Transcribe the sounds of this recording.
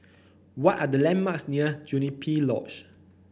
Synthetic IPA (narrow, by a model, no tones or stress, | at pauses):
wɔtadəlɛ̃nmaksniəd͡ʒunipʰilɔ̰t͡ʃ